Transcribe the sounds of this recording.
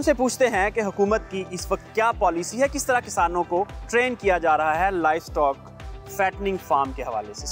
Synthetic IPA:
ʊmsepuːt͡ʃʰt̪eɦɛ̃keɦʊkuːmət̪̚kiʔɪsʋɐk̚t̪̚kjaːpɔːlisiɦɛkɪst̪ɐɾakɪsaːnõkoʈɾeːnkijad͡ʒaːɾɐɦaɦɛlaːɪʋsʈɔːk | fɛːʈnɪ̃ŋɡfaːɾmkeɦɐʋa̰ːlese

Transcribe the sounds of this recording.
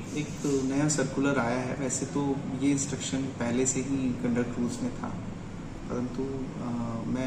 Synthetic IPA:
eːknɐjasɐɾkʊləɾaːjaɦɛ̰ʋɛːset̪ojeɪ̃nsʈɾəkʃənpɛɦleseɦikɐ̃ɳɖək̚ʈɾuːlzmẽt̪ʰa̰ː | pɐɾə̃nt̪u | mɛ̃

